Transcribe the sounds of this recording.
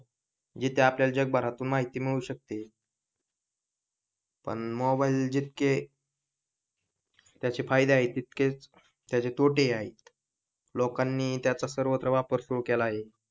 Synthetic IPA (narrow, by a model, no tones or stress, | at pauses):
d͡ʑit̪ʰeapljald͡ʑəɡ̚baɾat̪uːnmaɦit̪iːmiɭuːɕək̚t̪e | pə̰ɳmɔbaild͡ʑit̪̚ke | t̪jat͡ɕefajd̪eaɦet̪ːit̪̚ke | t̪jat͡ɕet̪oʈeaɦet̪ | lokanːiːt̪jat͡sasəɾʋət̪ɾəʋapəɾsuɭkɛlaːɦe